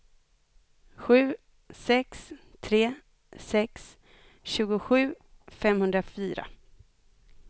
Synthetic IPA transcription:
ɧʉ̟ː | sɛkst̪ʰɾeː | sɛks | ɕʉ̟ːɡʊɧʉ̟ːfɛmhɵnd̪ɾafyːɾa̰

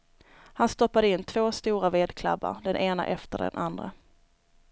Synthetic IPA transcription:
hanst̪ɔpːad̪əɪnːt̪ʰv̥oːst̪uːɾaveːd̪kʰla̰bːa̰ɾd̪ɛnʔeːna̰ʔɛft̪əɖɛ̰nʔand̪ɾa̰

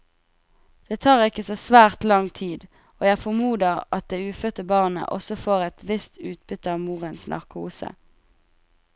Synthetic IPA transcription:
d̪̥eːt̪ʰɑːʁɪkəsoːsʋæːʁt̪lɑŋt̪ʰiːd̪ | oːjæɪfɔmuːd̪əʁʔɑt̪̚d̪eːʉːfœt̪əbɑːʁnə̰ʔɔsɔfoːʁɛt̪ʋɪst̪ʉːt̪̚bʏt̪əɑʋmuːʁənsnʔɑ̰ʁkʰuːsə̰

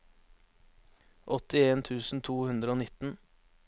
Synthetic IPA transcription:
ʔɔt̪ɪeːnt̪ʰʉːsn̩t̪ʰuːhʉnd̪ɾəoːnɪt̪n̩

